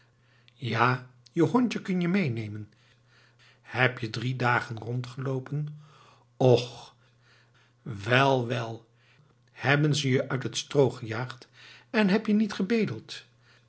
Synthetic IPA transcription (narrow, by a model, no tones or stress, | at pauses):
jaːjəɦɔɲtəkɵnjəmejnejmən | hɛpjədridaːχənrɔntχəlowpən | ɔχ | ʋɛlˠʋɛlˠ | hɛbənzəjəʔœɥtɦətstrowχəjaːχtɛnɦɛpjənitχəbejdəlˠt